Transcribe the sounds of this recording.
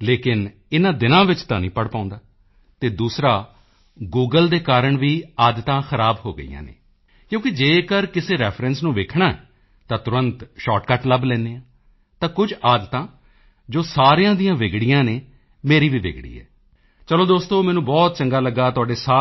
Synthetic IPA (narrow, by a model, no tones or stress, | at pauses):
leːkɪn | ɪnãːd̪ɪnãːʋɪt͡ʃt̪ãːnḭ̃ːpəɽpãːʊ̃nd̪aː | t̪eːd̪uːsɾaː | ɡuːɡəld̪eːkaːɾəɳʋiːaːd̪t̪ãːxəɾaːbɦo̰ːɡə̰ḭjã̰ːnḛː | kjõːkɪd͡ʒeːkəɾkɪseːɾɛːpʰɾɛ̃ːnsnũːʋeːkʰɳaːɛ | t̪ãːt̪ʊɾənt̪ʃɔːʈkaʈləblɛ̃ːneːãː | t̪ãːkʊd͡ʒaːd̪t̪ãː | d͡ʒoːsaːɾijãːd̪ijãːʋɪːɡɽɪjãːneː | meːɾiːʋiːʋḛːɡɽḭːɛ̰ː | t͡ʃəloːd̪oːst̪õːmɛ̃ːnũːbɔːt̪̚t͡ʃəŋɡaːləɡːaːt̪ʊaːɖeːsaː